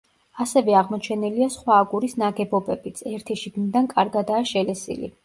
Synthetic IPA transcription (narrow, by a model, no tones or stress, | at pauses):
asɛvɛaʁmɔt͡ʃʰɛniliasχwaːɡuɾisnaɡɛbɔbɛbit̪sʰɛɾt̪ʰɛʃiɡnid̪ankʼaɾɡad̪aːʃɛlɛsḭlḭ